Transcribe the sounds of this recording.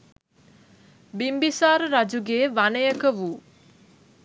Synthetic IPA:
bimbisaːɾəɾad͡ʒuɡeːʋanəjəkəʋuː

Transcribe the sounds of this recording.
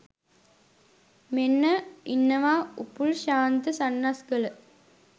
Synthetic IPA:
menːɐinːɐʋaːupːuɭʃaːnt̪ɨsɐnːasɡɐl

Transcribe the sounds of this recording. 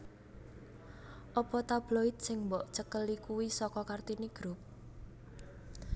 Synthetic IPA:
ʔɔpɔt̪ab̥loit̪̚sɪŋmbɔʔt͡ʃəkəlikuwisɔkɔkart̪iniɡ̥ɾup̚

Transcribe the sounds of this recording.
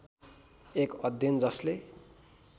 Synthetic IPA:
ekʌd̪ʱjʌnd͡zʌsle

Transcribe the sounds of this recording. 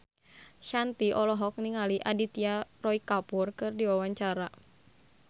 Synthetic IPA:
ʃant̪iʔɔlɔɦɔk̚niŋaliʔadit̪iarɔikapurkɨrdiwawaɲt͡ʃaɾa

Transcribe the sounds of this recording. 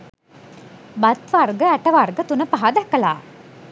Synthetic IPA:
bat̪ʋarɡəæʈəʋarɡət̪unəpaɦad̪ækːəla̰ː

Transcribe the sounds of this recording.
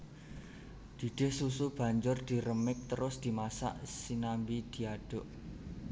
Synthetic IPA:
d̪̥i̤d̥e̤hsusub̥ä̤ɲd͡ʒʊrd̪̥i̤ɾəmɪk̚t̪əɾʊsd̪̥i̤masa̰ʔsinambid̪̥i̤aɖ̥ʊ̤ʔ

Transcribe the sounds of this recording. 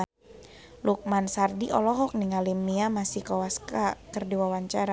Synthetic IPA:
luk̚mansardiʔɔ̰lɔɦɔk̚niŋalimiamasihkawaskakərdiwawaɲt͡ʃaɾa

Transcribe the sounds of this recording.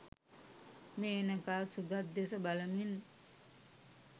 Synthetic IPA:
meːnəkasuɡat̪̚d̪esəbaləmin

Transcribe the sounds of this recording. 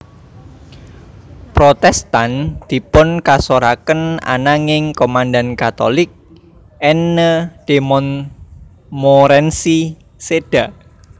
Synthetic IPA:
pɾot̪ɛst̪and̪̥i̤pʊnkasoɾakəna̰naŋɪŋkomandankat̪o̰lɪk̚ | ɛnːəd̥emɔn | mɔɾɛnsi | sed̥aʔ

